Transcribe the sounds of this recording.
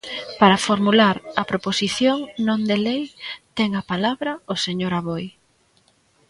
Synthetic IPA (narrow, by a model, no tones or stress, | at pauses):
paɾɐfoɾmulaɾɐpɾoposiθjoŋnõnd̪elejt̪ɛŋɐpalaβɾɐʊseɲoɾaβoj